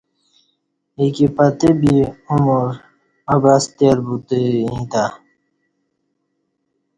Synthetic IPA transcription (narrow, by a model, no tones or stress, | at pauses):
ikipat̪ebiumoɾ | abast̪eɾbut̪eĩt̪a